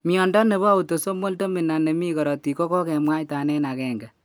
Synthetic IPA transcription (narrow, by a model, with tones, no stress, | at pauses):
mi˨ɔ˨nda˦ne˨βo˦a˦u˨to˨so˦mo˦lto˦mɪ˨na˨ne˨mi˦kɔ˨ɾɔ˨ti˨kɔ˦kɔ˦kɛ˨mwa˦jta˨nɛ˦na˨kɛ˨ŋɡɛ˨